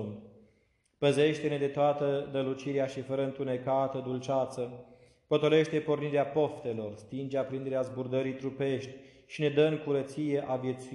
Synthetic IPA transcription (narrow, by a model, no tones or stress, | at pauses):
pəze̞ʃt̪ene̞d̪e̞t̪oat̪əd̪əlut͡ʃiɾeaʃifəɾəɨnt̪une̞kat̪əd̪ult͡ʃat̪sə | pot̪o̞le̞ʃt̪e̞po̞rniɾeapo̞ft̪e̞lo̞rst̪ind͡ʒeapɾind̪eɾeazburd̪əɾijt̪ɾupe̞ʃt̪ʲ | ʃine̞d̪əɨŋkuɾət̪sije̞ʔavje̞t̪su